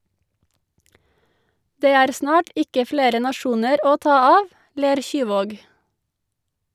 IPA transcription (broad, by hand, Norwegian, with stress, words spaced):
ˈdeː ˈæːɾ ˈsnɑːʈ ˈɪkə ˈfleːɾə nɑˈʃuːnəɾ ˈoː ˈtɑː ˈɑːʋ ˈleːɾ ˈçyːˌʋoːɡ